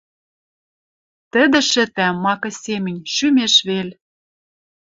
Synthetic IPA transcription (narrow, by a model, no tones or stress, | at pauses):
t̪ə̆d̪ĕʃɘ̆t̪æːɑkɤ̆sʲemɘ̆nʲʃymeʃβel